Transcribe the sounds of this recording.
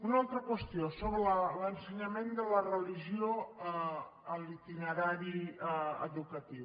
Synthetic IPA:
unalˠt̪ɾəkwəst̪iosoβɾələlənsəɲəmend̪ələrəliʒioə | əlˠit̪inəɾaɾiəə̰ðukət̪iw

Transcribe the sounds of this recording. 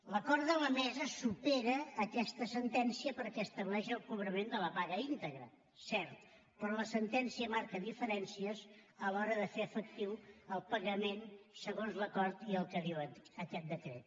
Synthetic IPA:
ləkɔɾt̪d̪ələmɛzəsupeɾəːkɛst̪əsənt̪ɛnsiəpəɾkɛəst̪əβlɛʃəlˠkuβ̞ɾəmend̪ələpaɣəint̪əɣɾə̰ | sɛɾt̪ | pɾɔləsənt̪ɛnsiəmaɾkəðifəɾɛnsiəsəlɔɾəðəfeəfək̚t̪iwəlˠpəɣəmensəɣonzləkɔɾt̪iəlˠkəðiwənəkɛt̪̚d̪əkɾḛt̪̚

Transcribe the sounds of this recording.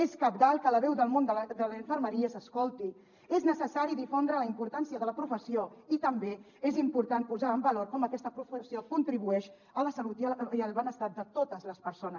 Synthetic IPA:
eskap̚d̪alˠkələβɛwðəlˠmond̪əld̪əliɱfəɾməɾiəsəskolˠt̪i | eznəsəsaɾiðifond̪ɾələimpuɾt̪ansiəðələpɾufəsioit̪əmbe | ezimpuɾt̪anpuzaəmbəloɾkɔməkɛst̪əpɾufəsiokunt̪ɾiβuɛʃ | ələsəlut̪iəiəlˠβənəst̪at̪̚d̪ət̪ot̪əzləspəɾsonə

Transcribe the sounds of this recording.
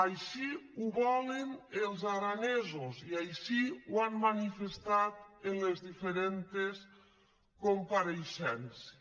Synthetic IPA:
ajʃiuβɔlenelˠzaɾanezoziajʃiwanmanifest̪at̪enlezðifeɾent̪es | kompaɾeʃɛns

